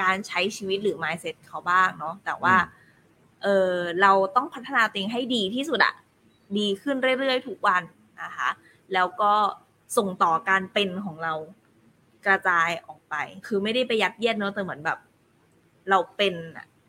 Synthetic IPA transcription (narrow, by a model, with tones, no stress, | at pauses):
kaː˧nt͡ɕʰa˦˥jt͡ɕʰiː˧wi˦˥t̪̚ɾɯː˩˦maː˧jse˦˥t̪̚kʰa˧˥wbaː˥˩ŋnɔ˦˥t̪ɛː˨˩waː˥˩ | ʔɤː˧ɾa˧wt̪ɔ˥˩ŋpʰa˦˥t̪ʰːa˧naː˧t̪ɔ˧ʔeː˧ŋɦa˥˩jdiː˧t̪ʰiː˥˩su˨˩t̪̚ʔa̰˨˩ | diː˧kʰɯ˥˩nɾɯ˥˩əjɾɯ˥˩əjt̪ʰu˦˥k̚wa˧n | na˧kʰa˦˥ | lɛː˦˥wkɔː˥˩ | so˨˩ŋt̪ɔː˨˩kaː˧npe˧nkʰɔː˩˦ŋɾa˧w | kɾa˧t͡ɕaː˧jʔɔː˨˩k̚pa˧jkʰɯː˧ma˥˩jda˥˩jpa˧jːa˦˥t̪̚ji˥˩ən̚nɔ˦˥t̪ɛː˨˩mɯ˩˦ənbɛː˨˩p̚ | ɾa˧wpe˧na̰˨˩